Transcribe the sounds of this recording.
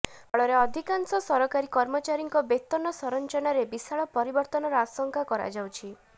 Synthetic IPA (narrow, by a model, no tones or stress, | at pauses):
ɔɭɔɾeɔd̪ʱikansɔsɔɾɔkaɾikɔɾmɔt͡ʃaɾiŋkɔbet̪ɔnɔsɔɾɔnt͡ʃɔnaɾebisaɭɔpɔɾibɔɾt̪ɔnɔɾɔasɔŋkʰakɔɾa̰d͡ʒawt͡ʃʰi